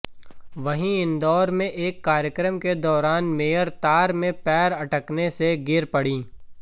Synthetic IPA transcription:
ʋɐɦĩɪ̃nd̪ɔːɾmẽʔeːkːaːɾjəkɾəmked̪ɔːɾaːnmeːjəɾt̪aːɾmẽpɛːɾɐʈəkneseɡɪɾpɐɽĩː

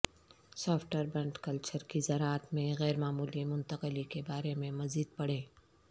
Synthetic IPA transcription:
sɔːfʰʈəɾbɛ̃ɳʈkɐlt͡ʃəɾkizɐɾaːət̪mẽɣɛːɾmaːmuːlimʊ̃nt̪əqəlikebaːɾemẽmɐziːd̪̚pɐɽẽː

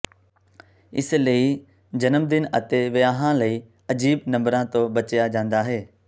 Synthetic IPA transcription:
ɪ̰sləiː | d͡ʑɐnəmd̪ɪnɐt̪eʋɪjaːɦãlɐiː | ɐd͡ʑiːbnɐ̃mbɾãt̪obɐt͡ɕjad͡ʑãːnd̪aːɦeː

